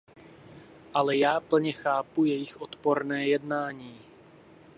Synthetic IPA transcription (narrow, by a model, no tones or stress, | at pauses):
ʔalɛjaːpl̩ɲɛxaːpujɛjɪxʔot̪poɾnɛːjɛdnaːɲiː